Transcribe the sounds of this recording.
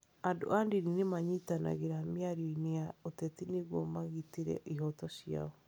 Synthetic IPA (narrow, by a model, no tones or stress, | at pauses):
ando̰ʔandininemaɲitana̰ɣeɾamjaɾɔineaotɛtineɣwɔmaɣitiɾɛ̰ʔiɦɔtɔɕja̰ɔ